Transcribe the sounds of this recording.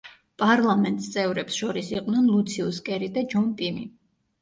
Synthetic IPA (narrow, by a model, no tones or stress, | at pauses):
pʼaɾlˠamɛnt̪ʼst̪sʼɛvɾɛpsʃɔɾisiqʼwnɛnlˠut̪sʰiuskʼɛɾid̪ad͡ʒɔnt̪ʼimḭ